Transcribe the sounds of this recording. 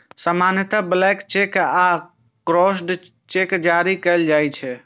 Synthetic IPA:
səmanət̪əblɛkt͡ʃeka | kɾɔsɖ | t͡ʃekd͡ʒaɾikəld͡ʒajt͡ʃʰɛ

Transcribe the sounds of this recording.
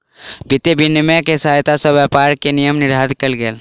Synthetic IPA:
bʱɪt̪ebʱɪnːmekesaːjt̪asɐbjapaːɾkenijəmnɪɾaːd̪kəlɡeːl

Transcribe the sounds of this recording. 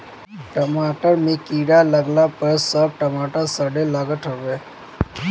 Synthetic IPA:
ʈəmaːʈəɾmẽkiːɽaləɡlapəɾsəb̚ʈəmaːʈəɾsəɖelaɡəʈ̪ɦəʋeː

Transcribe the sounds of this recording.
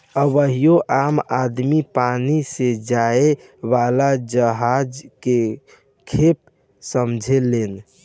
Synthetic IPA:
əβəɦijoʔamad̪mipanised͡ʒae | ʋalad͡ʒəɦad͡ʒke | kʰep̚ | səmd͡ʒʱelen

